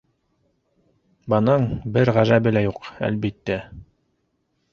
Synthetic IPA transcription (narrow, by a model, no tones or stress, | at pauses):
bɤnɤɴbɘɾʁæʒæbɘ̆læjuqæ̰lbit̪ːæ